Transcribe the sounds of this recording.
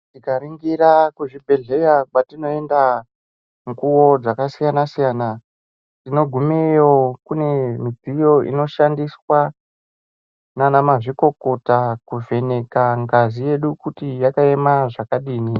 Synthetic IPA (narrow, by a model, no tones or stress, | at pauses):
tikaɾiŋɡiɾakuʐibʱe̞ɮe̞jakatino̞e̞nda | ŋkuwo̞d͡zakasijanasijana | tino̞ɡʱumejo̞kune̞mid͡zijo̞ḭno̞ʃandiswa | nanamaʐiko̞ko̞takuve̞ne̞kaŋɡazije̞ɗukutijakae̞maʐakaɗiːni